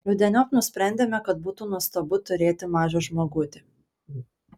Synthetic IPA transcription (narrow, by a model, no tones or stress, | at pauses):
jʲʊd̪ʲɛnʲoːknʊsʲpʲɾʲɛˑnʲd̪ʲeːmʲɛkɐt̪̚buːt̪uːnuɔst̪ɐbʊt̪ʊɾʲeːt̪ʲɪmɑːʒʲoːʒmoːɡʊt̪ʲɪ